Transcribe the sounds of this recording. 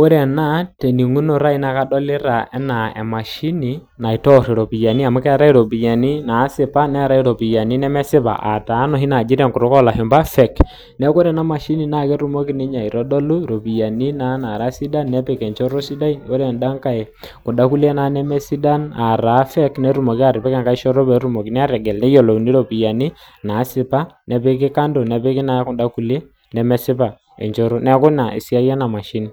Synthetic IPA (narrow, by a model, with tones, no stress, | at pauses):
o˦ɾɛ˨na˦te˨ni˨ŋu˦no˨ɾa˦i˦na˨˦ka˦dɔ˦lɪ˦ɾa˨ʔɛ˦na˨ɛ̰˨ma˨ʃi˦ni˨ | na˨i˨tɔ˦ɾi˨ɾo˨pi˨ja˨ni˦a˨mʊ˦kɛ˦ɾa˦i˦ɾo˨bi˨ja˨ni˦naː˨˦sɪ˨pa˦nɛ˦ɾa˦i˦ɾo˨pi˨ja˨ni˦nɛ˦mɛ˦sɪ˦ba̰˨ʔa̰˨taː˨˦nɔ˦˨ɦi˦na˨d͡ʒɪ˦ɾɛ˦˨ŋku˨ɾʊ˦kɔ˦la˨ɦɪ˨mba˦fɛ˨k | nɛ˦ko˦ɾɛ˨na˦ma˨ʃi˦ni˨na˦˨kɛ˦ɾu˦mo˦ki˦ni˦ɲa˨i˨ɾɔ˦dɔ˦lu˦ɾo˨bi˨ja˨ni˦na˦na˨ɾa˦si˦da˦nːɛ˦pɛ˨kɛ˨nt͡ʃo˦ɾo˦si˦da˦i˦o˦ɾɛ˨nda˦ŋka˦e˨kʊ˨nda˦ku˦le˦na˨˦nɛ˦mɛ˦si˦da˦na˨ɾa˨˦fɛ˦knɛ˨˦ɾu˦mo˨ki˦a˦˨ɾɪ˨pɛ˦ka˦ŋka˦ɪ˦ʃɔ˦ɾo˦be˨˦ɾu˦mo˨ki˨nɛ˦a˦ɾɛ˨ɡɛ˨lnɛ˦jo˨lo˨ni˦ɾo˨pi˨ja˨ni˦ | na˨˦sɪ˦pa˦nɛ˨pɪ˦k̬ɪ˦ka˦ndo˨nɛ˨pɪ˦kɪ˦na˦kʊ˨da˦ku˦le˦ | nɛ˨mɛ˦sɪ˦pa˨ | ḛ˨ɲt͡ʃo˦ɾo˦nɛ˦kʊ˦na˨ɪ̰˨si˦a˦jɛ˦na˨ma˨ʃɪ˦ni˨